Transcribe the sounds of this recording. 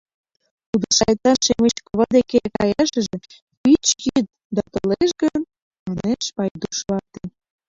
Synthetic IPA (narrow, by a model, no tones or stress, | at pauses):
t̪ud̪əʃɑjt̪ɑnʃemet͡ɕkoβɑd̪ekekɑ̰jɑʃə̆ʒĕ | pit͡ɕjit̪̚ | d̪ɑt̪oleʃɡə | mɑneʃpɑjd̪uʃlɑt̪e